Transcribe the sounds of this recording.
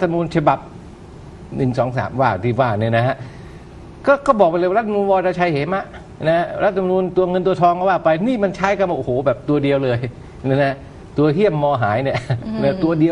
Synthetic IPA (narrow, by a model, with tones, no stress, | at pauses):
a˦˥t̪ʰːm˧nuː˧nt͡ɕʰa˧ba˨˩p̚ | nɯ˨˩ŋsɔː˩˦ŋsa̰ː˩˦mwaː˥˩t̪ʰiː˥˩waː˥˩ni˧˩na˦˥ɦa˦˥ʔ | kɔː˥˩kɔː˥˩bɔː˨˩k̚plːa˧˦˥t̪̚ʰːnuː˧nwɔː˧ɾaː˧˩t͡ɕʰa˧jhe˩˦ma˧˩ʔ | na˦˥ha˦˥ɾa˦˥t̪̚ʰːm˧nuː˧nt̪u˧ɐŋɤ˧nt̪̬u˧ɐt̪ʰɔː˧ŋka˧˩waː˥˩pa˧jniː˥˩ma˧nt͡ɕʰaː˦˥jka˧nwaː˧˩ʔo˨hoː˨˩˦bɛː˨˩p̚t̪u˧ɐdi˧əwlɤː˧j | na˧˥˩na˦˥ | t̪u˧ɐɦi˥˩əmːɔː˧ɦaː˩˦jni˥˩na˦˥˩t̪u˧ɐdi˧əw